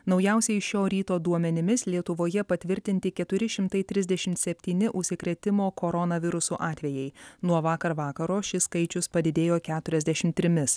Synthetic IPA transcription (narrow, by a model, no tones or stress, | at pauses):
nɒʊjɛˑʊsʲɛɪʃʲoːɾʲiːt̪oːd̪uɔmʲɛnʲɪmʲɪslʲiɛt̪ʊʋoːjɛpɐt̪ʲʋʲɪɾʲt̪ʲɪnʲt̪ʲɪkʲɛt̪ʊɾʲɪʃʲɪmt̪ɐɪt̪ʲɾʲɪzʲd̪ʲɛʃʲɪmt̪sʲɛpʲt̪ʲiːnʲɪʔʊʃʲsʲɪkɾʲɛːt̪ʲɪmoːkɔɾɔnɐʋʲɪɾʊsuʔɑːt̪ʲʋʲejɛɪnuɔʋɑːkɐɾʋɑːkɐɾoːʃʲɪskɐɪt͡ʃʲʊspɐd̪ʲɪd̪ʲeːjoːkʲæːt̪ʊɾʲɛzʲd̪ʲɛʃʲɪmt̪ʲɾʲɪmʲɪs